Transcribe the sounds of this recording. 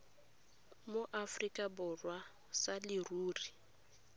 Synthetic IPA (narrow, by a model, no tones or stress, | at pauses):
moʔafrikʼabʊrwa | salɪruːri